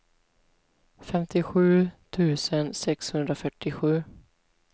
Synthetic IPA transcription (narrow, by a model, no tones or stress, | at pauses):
fɛmt̪ʰɪɧʉ̟ːt̪ʰʉ̟ːsənsɛkshɵnd̪ɾafœʈːɪɧʉ̟ː